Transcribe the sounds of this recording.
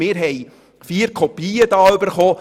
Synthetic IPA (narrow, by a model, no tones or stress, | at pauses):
mɪːɾɦɛj | fiːəɾkʰɔpiːəd̥̪ɑːʏbəɾχoː